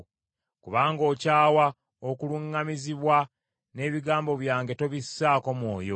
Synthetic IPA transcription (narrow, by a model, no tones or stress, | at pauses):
kuβaːŋɡo̞ːcaːwa | okuluŋːamiziβwa | ne̞ːβiɡaːmbo̞βjaːŋɡe̞to̞βisːaːko̞mwo̞ːjo̰